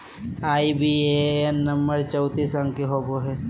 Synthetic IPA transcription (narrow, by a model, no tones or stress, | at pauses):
aːibieenːɐmbəɾt͡ʃəʊt̪isɐ̃ŋɡkeɦoːboɦe